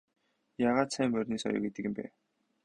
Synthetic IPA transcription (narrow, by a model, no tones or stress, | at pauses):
jaʁaːt̪sæːmːœrʲniːsɔ̰jʊ̰ket̪ɘ̆ɣɘ̆mpæ̰